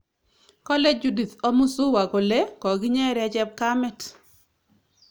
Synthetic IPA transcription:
kɔ˦lɛ˦d͡ʒu˦di˨θɔ˦mu˦sʊ˦wa˨ko˨le˦kɔ˨ɡɪ˦ɲɛ˦ɾɛ˦t͡ʃɛ˦p̚ka˦mɛ˦t

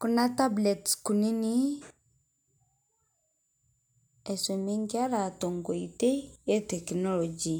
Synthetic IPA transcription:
ku˦na˦ta˦blɛ˨tku˨ni˦ni˦ | ɛ˨se˨mi˦ŋki˦a˦ɾa˨to˨ŋɡo˨i˨te˦e˦tɛ˨knɔ˦lɔ˨d͡ʒi˨

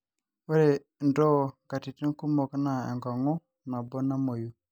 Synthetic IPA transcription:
o˦ɾe˨ | ndɔ˦˨ka˨ti˨ti˦ŋ˦ku˦mo˨kna˨ɛ̰˨ŋɡɔ˨ŋɔ˦ | na˨bɔ˦na˦mo˨ju˦

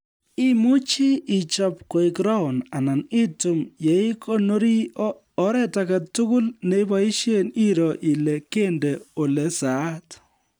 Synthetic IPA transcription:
ɪ˦mu˦t͡ʃi˦ɪ˨t͡ʃɔ˨p̚kɔ˨i˨kɾɔ˦˨na˨na˨nɪ˦tu˨mje˨i˦kʰo˦no˦ɾi˦ | ɔ˦ɾɛ˦taka˨tu˦ku˦lne˦ba˦i˦ʃje˦ni˦ɾɔ˨ʔi˨lɛ˨ke˦nde˨o˨le˨sa˨˦t

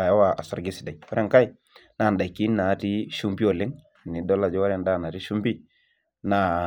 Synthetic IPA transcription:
a˨ja˦wa˨a˨sa̰˨˦ɾɡi˦sɪ˨da˨i˨wa˦ɾɛ˦˨ka˦j | na˨n˨da˨ki˦n˦na˨˦ti˦ʃu˦mbi˦ɔ˨lɪ˦ŋ˨ | ni˨dɔ˦la˨d͡ʒɔ˦wa˦ɾɛ˦nda˦˨na˨ti˦ʃu˦mbi˦ | na˦

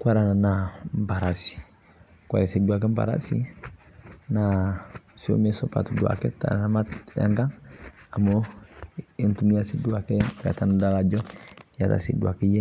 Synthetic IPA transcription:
kwa˦ɾa˨na˨na˨m˦ba˨ɾa˨si̥˨ | kwa̰˨ɛ˨si˨du˦a˨k̬ɛ˦m˦ba̰˨ɾa̰˦sḭ˦ | na˨si˦o̰˦me˦sɔ˦pa̰˨tu˨du˨a̰˨kɛ˦ta̰˨na˨˦ma˦ta̰˦ŋɡa˦ŋa˨mo˦ | i˦ntu˦mi˦ja˦si˦du˦a˨kɛ˦ɡa̰˨ta˦n˦da˦la˨d͡ʒɔ˦ja˨ta̰˨sḭ˨du˨a˨kɛ˦jɛ˦

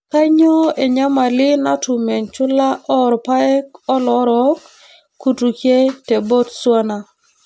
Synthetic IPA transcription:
ka˦ɲɔ˦e˨ɲa˦ma˨lɪ˦na˦tu˨mɛ˨nt͡ʃʊ˦la˦ʔɔ˦ɾɔ˨pa˦ɛ˦kɔ˦lɔ˨˦ɾɔ˦k | kːu˨tu˨kje˦te˨bo˦tswa˦na˨

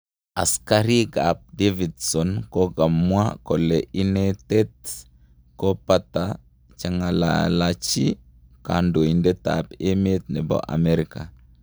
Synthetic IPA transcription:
a˨skaɾi˦ɡap̚de˦vi˨dsɔ˨nko˦ɡa˨mwa˦kɔ˨lɛʔi˦netɛ˦t | ko˦pata | t͡ʃa˦ŋa˨la̰lat͡ʃi˦ | ka˨ndo˨inde˦ta̰pe˦me˦t̪̚nɛ˨ba̰˨ʔa̰˨meɾika˨

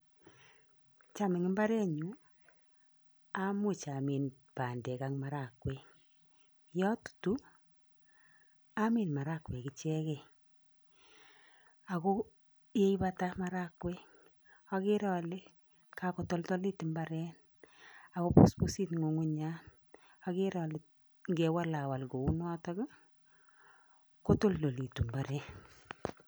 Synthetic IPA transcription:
t͡ʃa˨mɪ˨ŋɪ˦mba˦ɾɛ˦ɲu˨ | a˦mʊ˦t͡ʃa˨mi˨npa˨ndɛ˨ka˦ŋma˨ɾa˨kwe˨ | jɔ˦tu̥˨tu˦ | a˦mi˨nma˨ɾa˨kwɛ˨kɪ˨t͡ʃɛ˦kɛ˨ | a˨ko˦ | je˦ibata˦ma˦ɾa˦kwɛ˦ | a˨kɪ˦ɾɔ˨lɪ˦ | ka˨ko˨to˦lto˦li˦tu˨mba˦ɾɛn | a˨ko˦po˦spu˦si˦tŋo˨ŋu˦ɲan | akɪ˦ɾɔ˨lɪ˨ | ŋɡe˨wa˦la˨wa˨lko˨u˦nɔ˦ta˦k | ko˦to˦ldo˨li˨tu˨mba˨ɾɛ˦

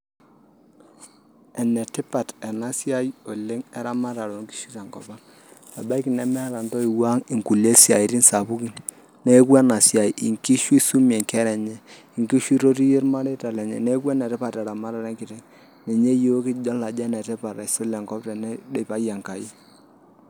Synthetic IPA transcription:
ɛ˨nɛ˨tɪ˦pa˨tɛ˨na˦sja˦jo˨le˦ŋɛ˦ɾa˦ma˦ɾa˨ɾo˨ŋki̥˦ʃi˦ɾa˨ŋkɔ̰˨pa˦n | a˨ba˦kɪ˨nɛ˦mɛ˦ɾa˨ntɔ˦i˨wa˦ŋi˨ŋku˨le˦sja˨i˨ɾi˦nsa˨pu˦ki˦ | ne˦kwa˦na˨sja˨jʔi˨ŋki˦ʃwi˦su˦mɛ˨ŋkɛ˦ɾɛ˨ɲɛ˦ | i˨ŋki˦ʃi˦ɾo˦ɾi˦je˦rma˦ɾe˦ta˨lɛ˨ɲɛ̰˨nɛ˦kwɛ˦nɛ˨tɛ˦pa˨tɛ˨ɾa˨ma˦ɾa˨ɾɛ˦ŋki˨tɛ˦ŋ | nɛ˨ɲe˦joː˦ki˦d͡ʒɔ˦la˨d͡ʒa˦nɛ˨tɛ˦pa˨tɛ˨so˦lɛ˨ŋkɔ˦pɾɛ˨nɛ˦ɗe˨pa˦ja˨ŋka˨ji˦

